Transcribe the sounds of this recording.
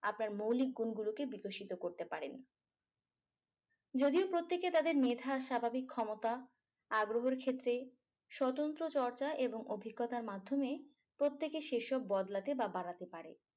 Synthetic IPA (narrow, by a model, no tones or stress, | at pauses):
apnaɾmowlik̚ɡunɡulokebikoʃit̪okoɾt̪epaɾen | d͡ʑod̪iopɾot̪ːeket̪ad̪eɾmed̪ʱaʃabʱabikʰːɔmot̪a | aɡɾoɦoɾkʰet̪ːɾe | ʃɔt̪ont̪ɾot͡ɕɔɾt͡ɕaʔeboŋobʱiɡːɔt̪aɾmad̪ʱːome | pɾot̪ːekeʃeʃɔbːɔd̪lat̪ebabaɽat̪epaɾḛ